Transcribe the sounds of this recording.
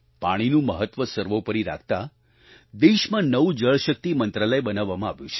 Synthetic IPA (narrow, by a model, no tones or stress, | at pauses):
paɽ̃inũməɦət̪ʋəsəɾʋopəɾiɾa̰kʰt̪a | d̪eʃmãnəʋud͡ʒəɭʃək̚t̪imənt̪ɾaləjbənaʋːamãaʋjũt͡ʃʰe̥